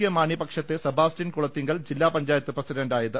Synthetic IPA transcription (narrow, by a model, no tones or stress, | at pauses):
jɐmaːɳipɐkʂɐt̪ːesɐbʱaːstinkuɭɐt̪ːiŋɡɐɭd͡ʑilːaːpɐɲd͡ʑaːjɐt̪ːɨprɐsiɖɐɳɖaːjɐðɨ